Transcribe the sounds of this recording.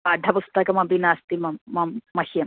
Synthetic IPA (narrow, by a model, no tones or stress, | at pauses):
ɐɖʱɐpust̪ɐkɐmɐbinaːst̪imɐːɐmːɐhijɐ